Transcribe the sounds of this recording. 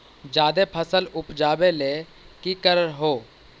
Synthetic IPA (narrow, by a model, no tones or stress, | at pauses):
d͡ʒaːd̪eːpʰəsəlʊpd͡ʒaːbeːleː | kikəɾəɾɦoː